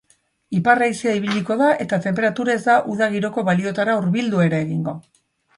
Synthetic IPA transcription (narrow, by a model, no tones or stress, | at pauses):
iparajsiaiβ̞iʎiko̞ðaʔe̞t̪at̪e̞mpe̞ɾat̪uɾaezd̪aʔuðaɣ̞iɾo̞ko̞βalio̞t̪aɾauɾβild̪ue̞ɾeːɣiŋɡo̞